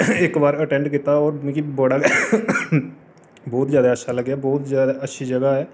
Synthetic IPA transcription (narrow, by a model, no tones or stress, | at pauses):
ɪkbaːɾəʈɛ̃ːɳɖkɪt̪aɔːɾm̃ːkiboɽa | bɔːt̪zjaːd̪aətːʃʰaləɡaːbɔːt̪zjaːd̪aətːʃʰid͡ʒəɡaɦɛː